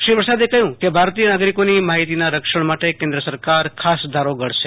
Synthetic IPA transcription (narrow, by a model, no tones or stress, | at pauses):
ʃɾipɾəsad̪ekəɦjũkebʱaɾt̪ijənaɡɾikonimaɦit̪inaɾəkʃəɳ̃maʈekẽnd̪ɾəsəɾkaɾkʰasd̪ʱaɾoɡəɽʃe